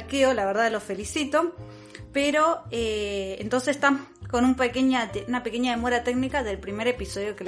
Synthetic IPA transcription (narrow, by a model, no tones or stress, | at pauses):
lkeolaβeɾðaðlofe̞lisit̪o̞ | peɾo̞eent̪o̞ns̬est̪a | ko̞numpekeɲaeunape̞ke̞ɲaðemo̞ɾat̪eɡnikaðe̞lpɾime̞ɾe̞piso̞ð̞jo̞kel